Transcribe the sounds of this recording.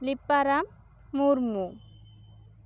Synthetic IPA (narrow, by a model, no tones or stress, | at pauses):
lipːaɾamː | uɾmu